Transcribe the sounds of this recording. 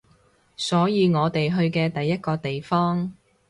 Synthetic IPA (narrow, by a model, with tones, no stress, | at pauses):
sɔː˨˥jiː˨˧ŋɔː˨˧t̪e˨jɦɵ˧ɥkɛː˧t̪ɐ˨jːɐ˥t̚kɔː˧t̪e˨jfɔː˥ŋ